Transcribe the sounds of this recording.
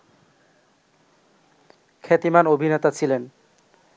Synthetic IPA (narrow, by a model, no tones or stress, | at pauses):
kʰet̪imanobʱinet̪at͡ɕʰilen